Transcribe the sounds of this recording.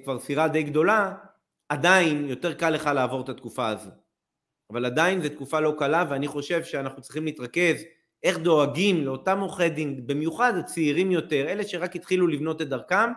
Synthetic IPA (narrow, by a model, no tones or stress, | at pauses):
kvaʁsiʁad̪ejɡd̪o̞la | adainjo̞te̞ʁkalːe̞χalaːvo̞ʁt̪at̪kufaazo̞ | avalad̪ajinzet̪kufalo̞kalaveaniχo̞ʃe̞vʃeanaχnutt͡sʁiχimliːt̪ʁake̞z | e̞χd̪o̞aɡimle̞o̞tamoχedimbimjuχadat͡siːʁimjo̞te̞ʁe̞leʃe̞ʁakhit̪χilulivno̞t̪led̪aʁkam